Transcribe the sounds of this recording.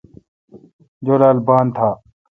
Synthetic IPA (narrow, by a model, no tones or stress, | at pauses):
d͡ʑoːɾaːlbaːnt̪ʰaː